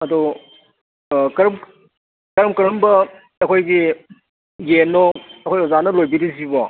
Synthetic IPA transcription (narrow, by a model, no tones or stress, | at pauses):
ɐdu | kɐɾm | kɐɾɐmkɐɾɐmbɐː | kʰojɡi | ɡenoɐkʰojozanɐlojbiɾizibɔ